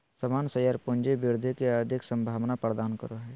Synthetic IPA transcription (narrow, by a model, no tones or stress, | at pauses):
səmaːnsəjaɾpʊnd͡ʒebɪɾd̪ʱikeəd̪ʱɪksə̃mbʱaːʋnapəɾd̪aːnkə̰ɾoɦɛː